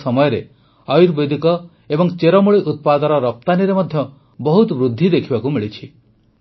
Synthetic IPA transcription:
sɔmɔjɔɾe | ɔjuɾbed̪ʱikɔ | ebɔŋt͡ʃeɾɔmuɭiʔut̪̚pad̪ɔɾɔɾɔp̚t̪aniɾemɔd̪ʱjɔ | bɔɦut̪bɾud̪ʱːid̪ekʰibakumiɭit͡ʃʰi

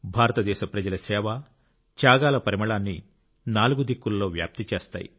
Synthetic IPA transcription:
bʱaːɾɐt̪ɐd̪ɛːʃɐpɾɐd͡ʒɐlɐsɛːʋɐ | t͡ʃaːɡaːlɐpɐɾimɐɭaːnːi | naːluɡud̪ikːulɐlo̞ːʋja̰ːp̚t̪it͡ʃeːst̪a̰ːjḭ

